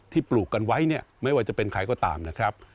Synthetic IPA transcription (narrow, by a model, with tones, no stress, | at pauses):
t̪ʰiː˥˩pluː˨˩kːa˧nwa˦˥jni˥˩ɐma˥˩jwaː˥˩t͡ɕa˨˩pe˧nkʰa˧jkɔː˥˩t̪a̰ː˧mna˦˥kʰɾa˦˥p̚